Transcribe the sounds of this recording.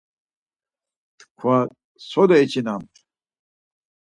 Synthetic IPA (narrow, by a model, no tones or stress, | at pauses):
t̪kʰwa | sod̪oet͡ɕinam